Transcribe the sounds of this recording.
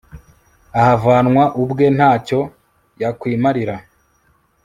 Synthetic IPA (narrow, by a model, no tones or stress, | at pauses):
ahavaːnŋwaʔubɡe̞n̥haːco̞ | jakwiːmaɾiɾa